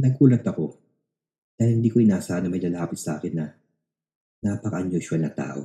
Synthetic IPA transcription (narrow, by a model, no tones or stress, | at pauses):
nɐɡʔuːlɐt̪ɐko̞ | d̪̥aːhɪlɪnd̪iːkoɪnaːsɐʔanɐmɐjlɐlaːpɪt̪sɐʔa̰ːkɪnːɐ | naːpɐkɐʔɐɲːoʃɐlnɐt̪a̰ːʔo̞̰